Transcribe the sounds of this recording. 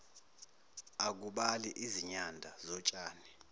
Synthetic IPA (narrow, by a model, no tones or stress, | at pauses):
ak̬uɓaliʔiziɲandʱazɔt͡ʃʼaːni